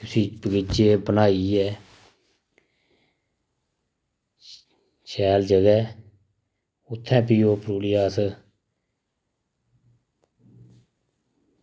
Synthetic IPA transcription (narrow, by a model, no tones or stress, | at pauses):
tʊsiːpəɡɪt͡ʃeːbənaːiːɛː | ʃɛːld͡ʒəɡɛː | ʊt̪ʰːɛ̃ːpiːoːpɾuːlɪjaːs